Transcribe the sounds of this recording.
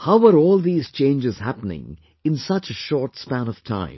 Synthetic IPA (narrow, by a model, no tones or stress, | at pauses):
haʊwə˞ɔːlˠðiːz̥t͡ʃʰẽɪ̃nd͡ʒɨz̥hæpənɪ̰̃ŋ | ɨ̃nsʌt͡ʃɨʃɔɹtspæ̃nʌv̥tʰã̰ɪ̃m